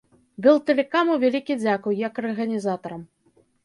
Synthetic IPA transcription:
bɨlˠt̪ɛlʲɛkamuwvʲalʲikʲid͡zʲakujjɐkɐrɣɐnʲizat̪ɐɾɐm

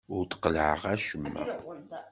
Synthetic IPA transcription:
ʊɾt̪qəlʕə̰ʁæʃəmːæ̰

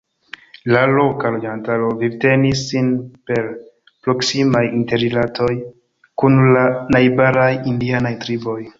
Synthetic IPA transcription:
lalo̞kalod͡ʒantalo̞vibte̞nisːinpe̞ɾ | pɾo̞ksimajinte̞ɾilatʰo̞j | kunlanajbaɾajindianajtɾibo̞j

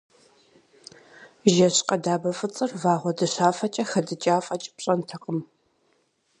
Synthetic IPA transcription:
ʒɐɕqɐdaːbɐfʼɨt͡sʼɨrvaːʁʷɔdɨɕaːfɐt͡ʃʼɐxɐdɨt͡ʃʼaːfʼɐt͡ʃʼpɕʼɐntʰɐqəm

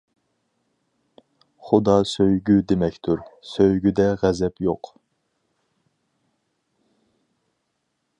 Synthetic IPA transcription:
χʊd̪ɑsøjɡʲyd̪emɛkʲt̪ʰyɾsøjɡʲyd̪ɛʁɛzɛpjoq

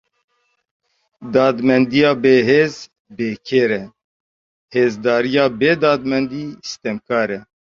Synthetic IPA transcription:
d̪ɑːd̪mɛnd̪ijɑːbeːɦeːz | beːkʰeːɾɛ | heːzd̪ɑːɾijɑːbeːd̪ɑːd̪mɛnd̪iːsi̥t̪ɛmkʰɑːɾɛ

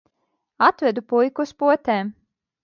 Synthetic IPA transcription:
at̪vɛd̪upujkuspuɔt̪ʲeːm

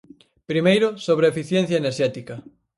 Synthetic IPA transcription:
pɾimejɾʊsoβ̞ɾeefiθjɛn̟θjɐeneɾʃɛt̪ikɐ

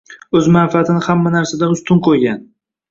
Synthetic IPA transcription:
ɵzmanfat̪ʰɪnɪhamːanaɾsad̪aʊst̪ʰʊnqʰojɡʲan

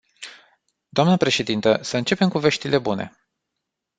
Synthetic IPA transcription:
d̪̥oamnəpɾe̞ʃe̞d̪int̪əsəɨnt͡ʃe̞pe̞mkuveʃt̪ile̞bune̞̰

